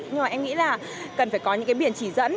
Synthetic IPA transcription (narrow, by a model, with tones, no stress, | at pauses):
ɲɨ˧ŋma˨ʔɛ˧mŋḭ˧˥laː˨˩ | kə˨˩nfaː˧˩jkɔ˨˦ɲɨ̰˧˥kaː˨˦jɓi˧˩ənt͡ɕi˧˩zə̰˧˥n